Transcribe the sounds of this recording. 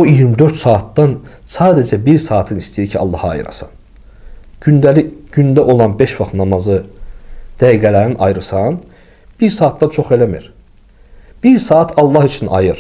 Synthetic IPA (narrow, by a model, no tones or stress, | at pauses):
oijiɾmid̪ø̞ɾt̪sɑːt̪ːɑn | sɑːd̪ed͡ʒæbiɾsɑːt̪ʰɯnist̪ijiɾcʰiɑ̰lˠːɑhɑ̰jɯ̰ɾɑ̰sɑ̰n | ynæli̥ynd̪æʔo̞lˠɑnbeʃvɑχt̪nɑmɑzɯ | d̪̥æjɡælæɾiniʔɑjɯɾɯsɑn | b̥iɾsɑːt̪̚d̪ɑnt͡ʃʰo̞χe̞læmḭɾ | b̥iɾsɑːɑt̪ʰɑlˠːɑhit͡ʃʰinʔɑ̰jɯɾ